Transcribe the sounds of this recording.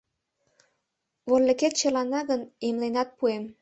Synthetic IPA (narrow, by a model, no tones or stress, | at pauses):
βollĕket̪̚t͡ɕə̆lɑnːɑɣənemlenɑt̪̚puem